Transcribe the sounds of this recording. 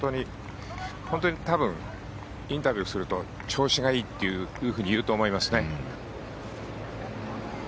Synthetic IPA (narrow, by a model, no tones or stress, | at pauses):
t̪oɲ̟i | hõ̞nt̪o̞ɲ̟it̪abɯ̟̃ŋ | ĩnt̪abʲjɨːsɨɾɯ̟t̪o̞ | t͡ɕo̞ːɕiɡaiːt̪ːe̞jɯːhɯ̟ːɲ̟ijɯ̟ːt̪o̞ːmo̞imasɨne̞